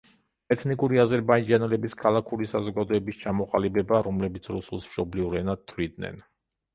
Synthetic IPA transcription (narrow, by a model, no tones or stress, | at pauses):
ɛt̪ʰnikʼuɾiazɛɾbaid͡ʒanɛlɛbiskʰalˠakʰuɾisazɔɡad̪ɔɛbist͡ʃʰamɔqʼalibɛbaɾɔmlɛbit̪sʰɾusulˠsmʃɔbliuɾɛnad̪̚t̪ʰːwid̪nɛ̰n